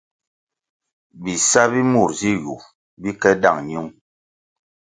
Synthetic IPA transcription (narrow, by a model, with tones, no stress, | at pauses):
bi˨sa˦bi˦mu˦˨ɾzi˦ju˨ | bi˦kɛ˦da̰˦˨ŋɲ˦u˦ŋ